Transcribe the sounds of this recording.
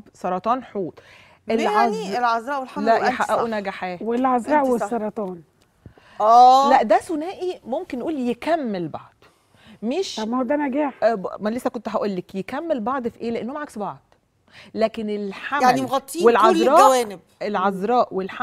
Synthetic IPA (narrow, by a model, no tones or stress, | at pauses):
bsˤɑɾˤɑt̪ˤɑːnħuːt̪ˤ | ʔelʕɑzelʕɑzɾɑːʔwelħalæʔħaʔʔæʔunæɡæħæːwelʕɑzɾˤɑːʔweːˤɑɾˤɑt̪ˤɑːn | æːlæʔd̪æsonæːʔimomkenːʔuːljekæmːelbɑʕd̪̥ˤ | meʃmːhod̪ænæɡæːħmlesːækont̪ɦæʔolːekjekæmːelbɑʕd̪ˤfiʔeːleʔenːomʕaksbɑʕd̪̥ | læːkenelħajaʕnimɣɑt̪ˤːiwelʕɑzɾˤɑːɡæwæːnɪb | elʕɑzɾˤɑːʔwelħa